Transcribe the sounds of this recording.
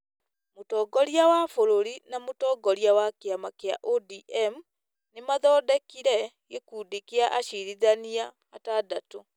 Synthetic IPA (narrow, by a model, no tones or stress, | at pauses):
motɔːɡɔɾiawafoɾoɾinamotɔːɡɔɾiawakeamakea̰ʔodiʔɛm | nemaðɔːdɛkiɾɛɡekuːdikeaʔaɕiɾiðaniaː | tadato